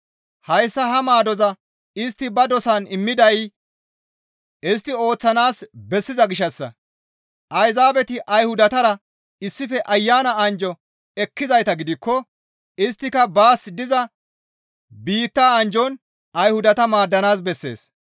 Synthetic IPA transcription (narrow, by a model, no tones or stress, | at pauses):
hɐjsːɐɦɐmaːd̪ɔzɐ | ɪst̪ːɪbɐd̪ɔsanɪmːɪd̪ɐj | ɪs̬t̪ːɪo̞ːt͡sːɐnaːsbɛsːɪzɐɡɪʃɐsːɐ̰ | ʔɐjzaːbɛt̪ɪʔɐjhʊd̪ɐt̪ɐɾɐ | ɪsːɪfɛʔɐjːaːnɐɐnd͡ʒɔ | ɛkːɪzɐjt̪ɐɡɪd̪ɪkːɔ | ɪst̪ːɪkɐbaːsd̪ɪzɐ | biːt̪ːaːɐnd͡ʒɔn | ɐjhʊd̪ɐt̪ɐmaːd̪ːɐnaːs̬bɛsːe̞̰ːs